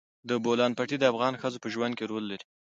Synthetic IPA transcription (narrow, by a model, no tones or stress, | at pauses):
d̪əbolɑnpaʈid̪əafɣɑnxəzopəʒwand̪̚keɾolːaɾi